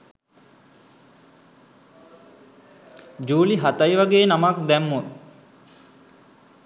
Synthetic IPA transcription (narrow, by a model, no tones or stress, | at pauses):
d͡ʒuːliɦat̪ajʋaɡeːnamakd̪ɛmːut̪